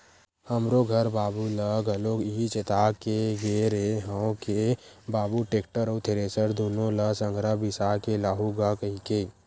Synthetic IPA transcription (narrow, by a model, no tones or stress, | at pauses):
həmɾoɡʱəɾbaːbuləɡʱəloɡit͡ʃet̪aːkeɡeːɾeɦəõkebaːbuʈeːkʈəɾoːt̪ʰeɾeːsəɾd̪oːnõləsə̃ŋɡʱɾabɪsaːkelaːɦuɡakəɦike